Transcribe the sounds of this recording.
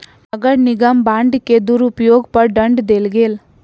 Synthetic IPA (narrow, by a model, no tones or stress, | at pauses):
nɐɡɐɽniɡambaːɳɖkːed̪uɾupjoːɡpɐɾɖɐɳɖd̪elɡel